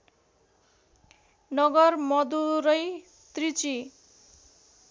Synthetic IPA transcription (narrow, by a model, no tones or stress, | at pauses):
nʌɡʌrmʌd̪uɾʌj | t̪rit͡si